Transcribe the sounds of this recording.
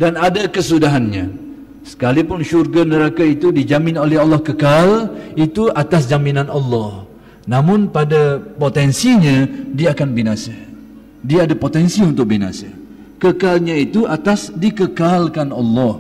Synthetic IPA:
danadakəsudaɦanɲã | sə̥kalipʊnʃurɡanəɾakait̪udid͡ʒamɪnolɛɦɑlːɔhkəkalit̪uʔat̪asd͡ʒaminãnɑlːɔh | nãmʊnpadapot̪ɛnsiɲãdiaːkanbinasa | diaːdapot̪ɛnsiunt̪ʊk̚bina̰sa | kəkalɲãit̪uʔat̪asdikəkalkanɑlːɔh

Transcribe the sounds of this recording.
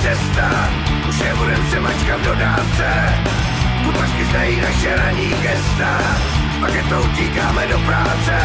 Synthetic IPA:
ɛst̪a | uʃjɛbudɛmsɛmat͡ʃkat̪̚dodaːt͡sɛ | t̪upat͡ʃkɪzd̪ajiːnaʃɛɾaɲiːɡɛst̪a | pakɛt̪ouciːkaːmɛdopɾaːt͡sɛ

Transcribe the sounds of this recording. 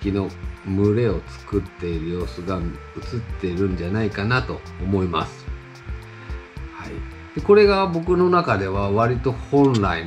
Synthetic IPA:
kʲino̞mɯ̟ɾe̞o̞t͡sɨ̥kɯ̟t̪ːe̞iɾɯ̟jo̞ːsɨɡanɯt͡sɨt̪ːe̞iɾɯ̟̃ɲ̟d͡ʑanaikanat̪o̞ːmo̞ima̰sɨ̥ | hai | d̪̥e̞ko̞ɾe̞ɡabo̞kɯ̟no̞nakad̪e̞βaβaɾʲit̪o̞hõ̞nɾai

